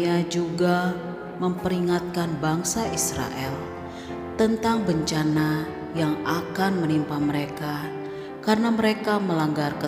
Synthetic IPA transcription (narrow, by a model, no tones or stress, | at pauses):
ad͡ʒuɡa | məmpəɾiŋat̪̚kanbaŋsaʔisɾa̰ʔɛl | t̪ənt̪aŋbəɲt͡ʃana | jaŋakanmənimpaməɾeka | karənaməɾekaməlaŋɡarkə